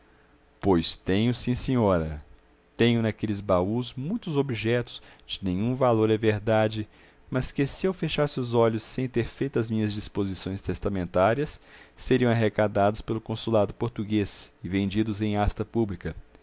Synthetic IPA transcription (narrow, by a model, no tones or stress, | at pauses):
pojst̪ẽɲʊsĩsẽɲɔɾɐ̰ | t̪ẽɲʊnɐkelɪzbauzmũj̃t̪ʊzobiʒɛt̪ʊ̥z̥d͡ʒɪnẽɲũvaloɾɛveɾd̪ad͡ʒɪ | mɐskɪsɪewfeʃasɪʊzɔʎʊsːẽj̃t̪eɾfejt̪ʊɐzmĩɲɐzd͡ʒispozisõj̃st̪est̪amẽnt̪aɾiɐsːeɾiɐ̃aɦekad̪ad̪ʊspelʊkõsulad̪ʊpoɾt̪uɡesɪvẽnd͡ʒid̪ʊzẽj̃ast̪ɐpublikɐ